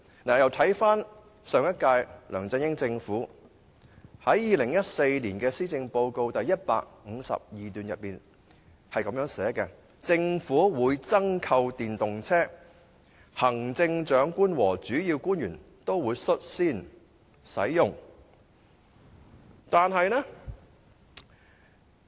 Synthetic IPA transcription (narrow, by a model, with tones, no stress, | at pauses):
naː˨˩jɐ˨wt̪ʰɐ˨˥jfaː˥n | sœː˨˧ŋjɐ˥t̚kaː˧jlœː˨˩ŋt͡sɪ˧ŋjɪ˥ŋt͡sɪ˧ŋfuː˨˥ | hɐ˨˥jjiː˨˧lɪ˨˩ŋjɐ˥t̚se˧jliː˨˩nkɛː˧siː˥t͡sɪ˧ŋpo˧wko˧wt̪ɐ˨jːɐ˥t̚pa̰ː˧k̚ŋ̩ː˨˧sɐ̰˨p̚jiː˨t̪yː˨njɐ˨t̚piː˨˩n | hɐ˨jkɐ˨˥mjœː˨˥ŋsɛː˨˥kɛ˧ | t͡sɪ˧ŋfuː˨˥wuː˨˧˥jt͡sɐ˥ŋkʰɐ˧wt̪iː˨nt̪ʊ˨ŋt͡sʰɛː˥ | hɐ˨˩ŋt͡sɪ˧ŋt͡ʃœː˨˥ŋkʷuː˥nwɔː˨˩t͡syː˨˥jiː˧wkuː˥njyː˨˩n | t̪o˥wwuː˨˧˥jsɵ˥t̚siː˥n | sɐ̰˨˥jːʊ˨ŋ | t̪aː˨nɦɐ˨jnɛ˥